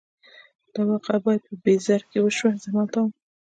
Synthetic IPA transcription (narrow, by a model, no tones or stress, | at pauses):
d̪̥awɑqabɑjad̪̚pəbezaɾkewəʃwazamat̪ɑm